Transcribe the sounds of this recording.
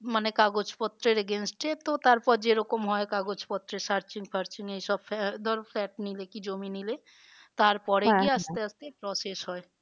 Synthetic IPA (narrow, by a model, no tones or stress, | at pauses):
mənekaːɡot͡ʃʰpɔt̪ɾeɾeɡeːnsʈet̪ot̪aɾpɔɾd͡ʒeɾʊkəmɦɔekaɡot͡ʃʰpɔt̪ɾesaɾt͡ʃɪ̃ŋɡpʰɐɾt͡ʃĩŋɡeisɔbpd̪ɔɾpʰlɛːʈnilekid͡ʒoːminile | t̪aːɾpɔɽekiəst̪eəst̪epɾɔsesɦɔe